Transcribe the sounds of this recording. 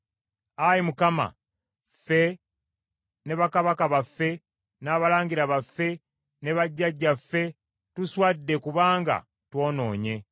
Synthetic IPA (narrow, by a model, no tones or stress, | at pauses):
ajimukama̰ | fe̞ | ne̞βakaβakaβafːe̞ | naːβalaːɲɡiɾaβafːe̞ | ne̞βaɟːaɟːafːe̞ | tuswaːdːe̞kuβaːŋɡa̰ | two̞ːno̞ːɲe̞